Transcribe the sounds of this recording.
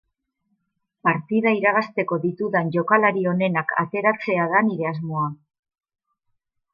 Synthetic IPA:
paɾt̪iðaiɾaɣast̪e̞ko̞ðit̪uðanʝo̞kalaɾio̞ne̞nakʰa̰t̪e̞ɾat͡se̞aðaniɾe̞azmo̞a

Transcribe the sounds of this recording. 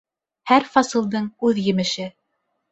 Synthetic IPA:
hæɾfɑsɤ̆lˠd̪ɤɴʉðjɘ̆mɘ̆ʃɘ

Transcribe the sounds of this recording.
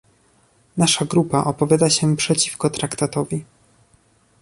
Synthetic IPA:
naʂaɡɾupaʔɔpɔvʲjad̪aɕɛpʂɛt͡ɕifkɔt̪ɾakt̪at̪ɔvʲi

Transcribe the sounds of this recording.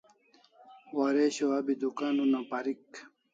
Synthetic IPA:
waɾeɕoɐbid̪ukanunapaɾik

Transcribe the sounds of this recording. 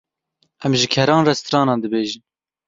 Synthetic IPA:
ʔɛmʒɪkʰɛɾɑːnrɛst̪ɾɑːnɑːnd̪ɨbeːʒɨn

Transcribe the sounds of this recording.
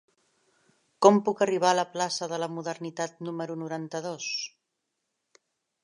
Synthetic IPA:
kɔmpukəriβ̞aləplasəðələmuðəɾnit̪at̪numəɾunuɾant̪əðos

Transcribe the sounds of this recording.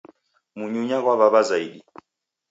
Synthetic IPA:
muɲuɲaɣwaβaβazaiɗi

